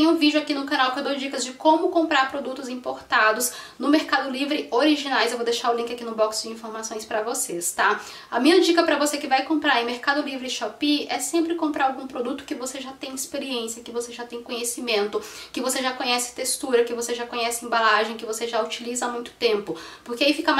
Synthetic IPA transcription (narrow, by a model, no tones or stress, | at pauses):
t̪ẽj̃ũvid͡ʒʊakinʊkãnawkãd̪ozd͡ʒikɐzd͡ʒɪkõmʊkõmpɾaɾpɾod̪ut̪ʊzĩpoɾt̪ad̪ʊsnʊmeɾkad̪ʊlivɾɪoɾiʒinajzewvod̪eʃaɾʊlĩŋkʲɪakinʊbɔksd͡ʒɪĩfoɾmasõj̃spɾɐvosest̪a | ɐmĩɲɐd͡ʒikɐpɾɐvosekɪvajkõmpɾaɾɐẽmeɾkad̪ʊlivɾɪʃapiɛsẽmpɾɪkõmpɾaɾawɡũpɾod̪ut̪ʊ̥kɪvoseʒat̪ẽj̃ɪspeɾiẽsiɐkɪvoseʒat̪ẽj̃kõɲesimẽnt̪ʊkɪvoseʒakõɲɛsɪ̥t̪est̪uɾɐkɪvoseʒakõɲɛsɪẽbalaʒẽj̃kɪvoseʒaut͡ʃilizɐamũj̃t̪ʊ̥t̪ẽmpʊpʊɾkeaifikɐm